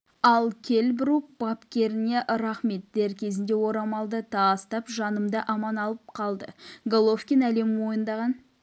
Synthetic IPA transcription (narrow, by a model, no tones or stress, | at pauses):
ɑlˠkʲʰe̞lbɪɾupb̥ɑpkʲe̞ɾɪne̞ʔɾɑχme̞t̪̚d̪̥e̞ɾkʲʰe̞zɪnd̪e̞wo̞ɾɑmɑlˠd̪ət̪ʰɑst̪ɑpʒɑnəmd̪əʔɑmɑnɑlˠəp̚qʰɑlˠd̪əɡolˠofkʲinæle̞mwo̞jənd̪ɑʁɑn